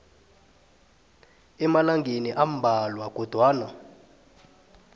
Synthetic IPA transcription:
ɛmalaŋɡʱeniʔam̩bʱalwaɡ̥ʱɔd̥ʱwaːna

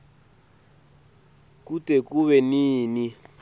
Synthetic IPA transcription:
kutʼekuβɛniːni

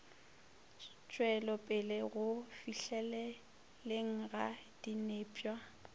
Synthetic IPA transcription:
t͡ʃʼwɛlɔpʼɪlɪɣʊfiɬɛlɛ | leŋ̩ɣad̥ineːpʼwa

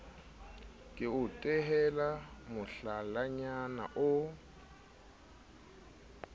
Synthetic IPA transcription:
kʼɪʊtʼɛɦɛlamʊɬalaɲana̰ʔʊ

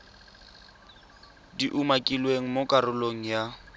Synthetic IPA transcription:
diʔumakʼilweŋ̩mokʼarʊloŋ̩ja

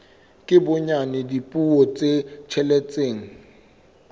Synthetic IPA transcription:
kʼɪbʊɲanɪdipʼuɔt͡sʼet͡ʃʰɛlɛt͡sʼeːŋ̩

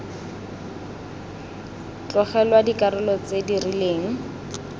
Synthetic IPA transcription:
t͡ɬɔχɛlwadikʼaɾʊlɔt͡sedirileːŋ̩

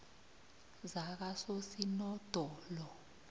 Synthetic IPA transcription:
zak̬asosinɔd̥ʱɔlɔ

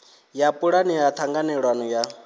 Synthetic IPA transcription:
japʼuɺanijat̪ʰaŋɡanɛɺwanɔja

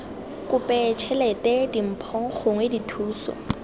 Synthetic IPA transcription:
kʊpʼɛt͡ʃʰɛlɛtʼɛdim̩pʰɔŋ̩χʊŋweditʰuːsɔ̰

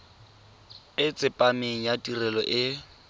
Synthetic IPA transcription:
ɪt͡sʼɪpʼamɪŋ̩jatʼirɛlɔʔɪ

